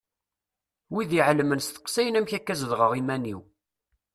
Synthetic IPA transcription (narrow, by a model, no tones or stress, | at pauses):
wiðiʕləmənst̪ə̥qsæjənæmçækːæzðʁəʁimæniw